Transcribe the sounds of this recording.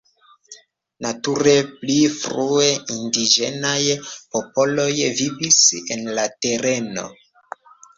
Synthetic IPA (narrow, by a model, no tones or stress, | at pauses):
natuɾe̞plifɾue̞indid͡ʒe̞̰najpo̞po̞lo̞jvivisḛnlate̞ɾe̞no̞̰